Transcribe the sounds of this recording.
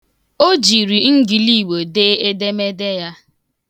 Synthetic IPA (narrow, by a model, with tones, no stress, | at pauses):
o˦d͡ʒi˨ɾi˨ŋ̩˦ɡi˨li˦˨we˨de˦e˦de˦me˦de˦ja˦